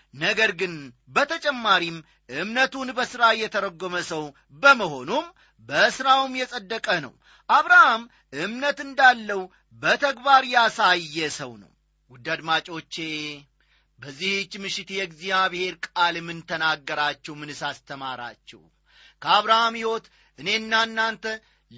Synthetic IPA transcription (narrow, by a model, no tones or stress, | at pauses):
nəɡəɾɡɨn | bət̪ʰət͡ʃʼɛmːaɾim | ʔɨmnət̪unbəsɨɾajɛt̪ʰəɾəɡːoməsəw | bəməho̞num | bəsɾawmjɛsʼəd̪ːəkʼənə̰w | ʔaβɾaham | ʔɨmnət̪ɨnd̪alːəw | bət̪ʰəɡbaɾjasajjːɛsəwnə̰w | wʊd̪ad̪mat͡ʃʼo̞t͡ʃːe | bəzːihɪt͡ʃːmɨʃɪt̪jɛɡzijaβɨhe̞ɾkʼalmɨnt̪ʰənaɡːəɾat͡ʃːɛwmɨnɨsast̪ʰəmaɾa̰t͡ʃːɛ̰w | kʰəaβɾahamhiwo̞t̪ | ʔɨne̞ɨnːanːant̪ʰə